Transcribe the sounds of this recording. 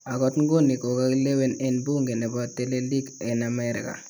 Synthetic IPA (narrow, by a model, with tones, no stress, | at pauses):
a˨ɡɔ˦tŋ˦ɡo˦ni˨ko˨ka˦kle˦we˦nɛ˦nbu˦ŋɡe˨ne˨bɔ˦tːe˦le˦li˦ɡɛ˨na˨mɛ˦ɾɪ̰˨ka̰˨